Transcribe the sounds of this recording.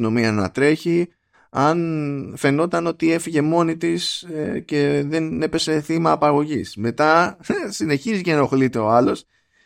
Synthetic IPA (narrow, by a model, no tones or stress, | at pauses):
ino̞miɐnɐ̰t̪ɾe̞çi | ɐnfe̞no̞t̪ɐno̞t̪ie̞fiʝe̞mo̞nit̪isece̞ðe̞ne̞pe̞se̞θimɐːpɐɣo̞ʝisme̞t̪ɐsine̞çiziceno̞xlit̪e̞o̞ɐlo̞s